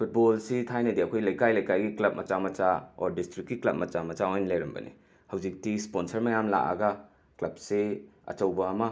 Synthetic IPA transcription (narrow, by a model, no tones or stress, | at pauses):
pʰut̚bolsitʰajnɐdiɐkʰojlɐjkajlɐjkajɡiklɐp̚mɐt͡ʃamɐt͡ʃao̰ɾdistɾikːiklɐp̚mɐt͡ʃamɐt͡ʃaojnlɐjɾɐmbɐ̰nḭ | hɐwd͡ʒik̚tisponsɐɾmɐjamla̰ʔa̰ɡɐ | klɐp̚seɐ̰t͡ʃɐwbɐːmɐ